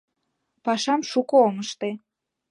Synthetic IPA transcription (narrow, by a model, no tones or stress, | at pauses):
pɑʃɑmʃukooŋəʃt̪e